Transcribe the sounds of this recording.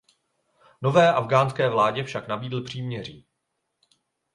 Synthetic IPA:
no̞vɛːʔavɡaːnskɛːvlaːɟɛfʃaknabiːdl̩pr̝̥iːmɲɛriː

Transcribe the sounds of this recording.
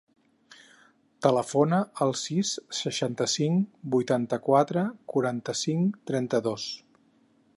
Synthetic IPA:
t̪ələfonəəlˠsisːəʃant̪əsiŋbujt̪ant̪əkwat̪ɾəkuɾant̪əsiŋt̪ɾɛnt̪əðos

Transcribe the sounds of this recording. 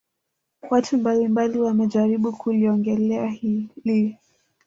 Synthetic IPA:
watʰumbalimbaliwamɛʄaɾiɓukʰuliɔŋɡɛlɛahili

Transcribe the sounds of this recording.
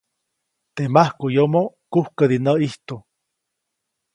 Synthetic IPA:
t̪emahkujomokuhkəd̪inəiht̪u

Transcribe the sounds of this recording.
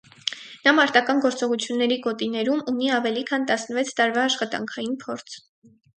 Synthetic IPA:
nɑmɑɾt̪ɑkɑnɡɔɾt͡sɔʁut͡sʰjunːɛɾiɡɔt̪inɛɾumuniɑvɛlikʰɑnt̪ɑsnəvɛt͡sʰt̪ɑɾvɑːʃχɑt̪ɑ̰ŋkʰɑjinpʰɔɾt͡sʰ

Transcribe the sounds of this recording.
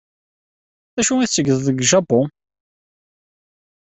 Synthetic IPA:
æʃuiθt͡sːəɡəððˤəɡʒɑbo

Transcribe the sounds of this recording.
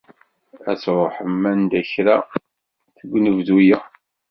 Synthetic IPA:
æ̰t͡sːɾˤoħəmːænd̪æçɾa | θəɡʷːnəvðujæ

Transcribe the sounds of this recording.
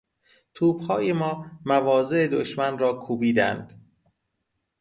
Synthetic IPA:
t̪ʰuːb̥hɒːjemɒːmævɒːze̞ʔed̪oʃmænrɒːkʰuːbiːd̪æ̰nd̪̥

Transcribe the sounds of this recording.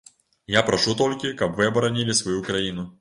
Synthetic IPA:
japɾɐʂut̪olʲkʲɪkɐpvɨɐbɐɾɐnʲilʲɪsvɐjukɾɐinʊ

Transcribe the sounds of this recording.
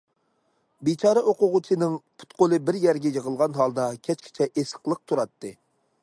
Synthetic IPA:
bit͡ʃʰɑːɾɑʔoqʊʁʊt͡ʃʰɨnɪŋpʰu̥t̪̚qʰolˠɨbɪɾjæɾɡʲɛjəʁəlˠʁɑnɦɑlˠd̪ɑkʲʰɛt͡ʃkʲʰi̥t͡ʃʰɛʔesə̥qlˠəq̚t̪ʰuɾɑt̪ːɨ

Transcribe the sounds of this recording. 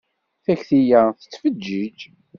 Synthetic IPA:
θæçθijaθə̥t͡sːfəd͡ʒːid͡ʒ

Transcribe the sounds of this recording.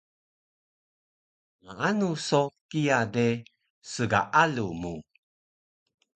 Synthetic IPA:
ŋaanusokijade | səɡa̰ʔalumu

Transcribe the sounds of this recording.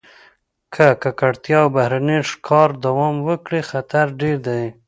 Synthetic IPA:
kʰakakaɽt̪jɑwbahɾaniʂkʰɑɾd̪awɑmwəkɽixat̪aɾɖeɾd̪aj

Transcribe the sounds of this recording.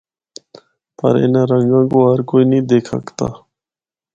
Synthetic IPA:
pə̰ɾɪ̰nãːɾə̃ŋɡãːkoːɦəɾkoːiːnĩːd̪eːkʰə̰kt̪a̰ː

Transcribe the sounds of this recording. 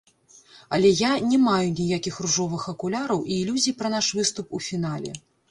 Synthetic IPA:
ɐlʲɛjanʲɛmajunʲɛjakʲixruʐɔvɨxɐkulʲaɾɐwʔiːlʲuzʲijpɾɐnaʂvɨst̪upufʲinalʲɛ̰

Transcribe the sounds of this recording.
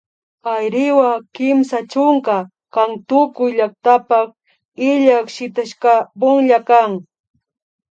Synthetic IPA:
ajɾɪwakɪmsat͡ʃʊŋka | kaŋt̪ʊkʊjʎak̚t̪apak̚ | ɪʎakʃɪt̪aʃkabʊŋʎakaŋ

